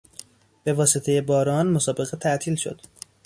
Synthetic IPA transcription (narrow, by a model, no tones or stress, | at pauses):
b̥e̞vɒːset̪ʰe̞je̞bɒːɾɒːnmosɒːbe̞ɣet̪ʰæʔt̪ʰiːlʃo̞̰d̪̥